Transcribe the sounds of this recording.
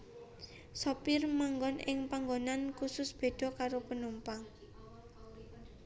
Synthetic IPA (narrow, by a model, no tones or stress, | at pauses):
sɔpɪrmaŋɡɔnʔɪŋpaŋɡonankusʊsb̥e̤d̪̥ɔ̤kaɾopənumpaŋ